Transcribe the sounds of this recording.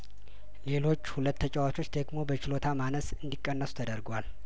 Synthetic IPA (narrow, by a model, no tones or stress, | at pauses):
le̞lo̞t͡ʃːhulət̪ːət͡ʃʼɛwat͡ʃʰo̞t͡ʃːd̪əɡmo̞bət͡ʃɪlo̞t̪ʰamanəsɨnd̪ikʼːənːəsu̥t̪ʰəd̪əɾɡwal